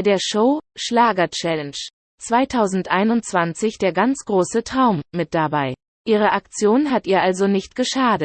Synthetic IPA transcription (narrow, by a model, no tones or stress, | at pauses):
deːɐʃoʊʃlaːɡɐt͡ʃɛlɛnʃ | t͡sv̥aɪtʰaʊzn̩tʔaɪnʊnt̚t͡sv̥ant͡sɪçd̥eːɐɡant͡sɡ̥ʁoːsətʁ̥aʊmmːɪt̚d̥abaɪ | ʔiːʁ̞əʔakt͡sjoːnɦatʔiːɐʔalzonɪçtɡ̥əʃaːdət